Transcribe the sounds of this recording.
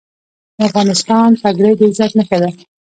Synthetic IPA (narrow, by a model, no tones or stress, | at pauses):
afɣɑnɪst̪ɑntaɡɽəjd̪ezat̪nəxad̪a